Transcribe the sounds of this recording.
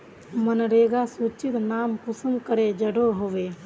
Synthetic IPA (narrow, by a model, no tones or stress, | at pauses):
mənɾeːɡasuːt͡ʃɪt̪naːmkʊsəmkəɾed͡ʒəɽoɦoːʋeː